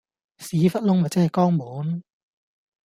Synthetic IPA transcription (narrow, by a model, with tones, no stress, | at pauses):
siː˨˥fɐ˥t̚lʊ˥ŋmɐ˨˩t͡sɛ˥hɐ˨jkɔː˥ŋmuː˨˥n